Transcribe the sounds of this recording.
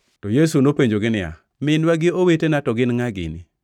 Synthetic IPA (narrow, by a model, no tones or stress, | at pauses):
tɔjesunopeɲd͡ʒoɡɪnɪa̰ | mɪnwaɡɪowetenatɔɡɪnŋaɡɪ̰nɪ